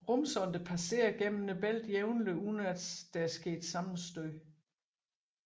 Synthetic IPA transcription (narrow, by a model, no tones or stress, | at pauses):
ʁɔmsɒ̽nd̥əpʰæse̝̰ːɐɡ̥em̰m̩nəb̥el̰d̥jeʊnləunæd̥sd̥ææɐsɡ̥e̝̰ːd̥sɑ̈mn̩sd̥øɪ